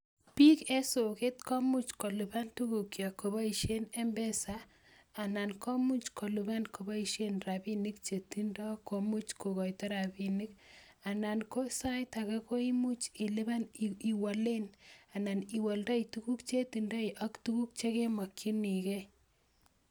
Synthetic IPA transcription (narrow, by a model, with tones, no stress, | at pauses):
pi˦ke˦so˨ke˦tkɔ˦mu˦t͡ʃko˨lu˨ba˦ntu˦ku˨kja˨ko˨βa˦i˨ʃe˦ne˦mbɛ˦saː˨ | na˨nkʰɔ˦mu˦t͡ʃko˨lu˨ba˦nkʰo˨ba˦i˨ʃe˦nra˨pinikt͡ʃe˨tindɔ˦ko˨mu˦t͡ʃko˨kɔ˨jtɔ˦ɾa˨bi˨ni˦k | a˨na˨nko˦sa˦jta˨ka˦ko˦i˦mu˦t͡ʃi˨le˦ba˦ni˨wa˨le˦na˨na˨ni˨wa˨ldɔ˦itu˦ku˦kt͡ʃe˦ti˨nda˦iʔa˦ktu˦ku˦k̚t͡ʃe˦ke˦ma˨kʰːi˦ni˨kɛ˦